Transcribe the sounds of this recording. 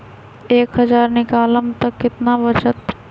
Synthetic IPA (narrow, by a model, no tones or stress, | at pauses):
eːkɦɐzaːɾnɪkaːləmt̪ɐkːɪt̪naʋət͡ʃət̪